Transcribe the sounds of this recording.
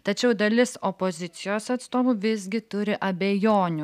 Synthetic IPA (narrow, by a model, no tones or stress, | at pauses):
t̪ɐt͡ʃʲɛʊd̪ɐlʲɪsopoːzʲɪt̪sʲɪjoːsɐt̪st̪oːmʊʋʲɪzʲɡʲɪt̪ʊɾʲɪʔɐbʲejoːnʲʊ